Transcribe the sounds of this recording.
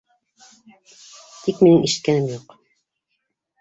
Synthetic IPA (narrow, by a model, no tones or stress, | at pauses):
t̪ikminɘŋʔiʃɘ̥̆t̪̚kænɘmjuq